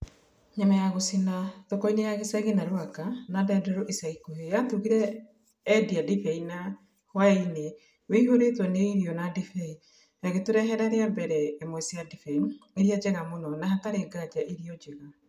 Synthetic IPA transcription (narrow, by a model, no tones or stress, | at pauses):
ɲamajaɣosinatokɔinejaɣesɛɣenaɾwakanadɛdɛɾoʔesaikohejatuɣiɾɛː | diadifɛina | hwaine | weiɦoɾetwɔneiɾiɔnadifɛi | ɛɣetuɾɛɦɛɾaɾeabɛɾɛemwɛsiadifɛineɾiad͡ʑɛɣamonɔnaɦataɾeɡad͡ʑaʔiɾiɔd͡ʑɛɣa